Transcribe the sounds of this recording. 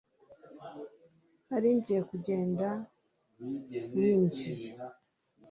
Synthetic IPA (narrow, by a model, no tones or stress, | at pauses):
aɾiɲɟiekuɟe̞ːnda | wiːɲci